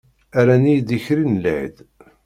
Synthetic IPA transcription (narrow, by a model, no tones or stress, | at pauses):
æɾænijd̪içɾinlʕə̰d̪